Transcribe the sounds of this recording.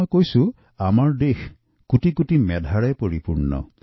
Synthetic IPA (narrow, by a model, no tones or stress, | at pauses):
jkojsu | amaɹdex | kuʈikuʈimɛd̪ʱaɹajpoɹipuɹnɔ̰